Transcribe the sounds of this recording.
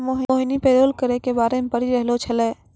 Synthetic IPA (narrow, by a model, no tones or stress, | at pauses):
moːɦoːɦɪnipɛeːd̪oːlkəɾekebaːɾemepəɾiɾəɦlot͡ʃʰɐleː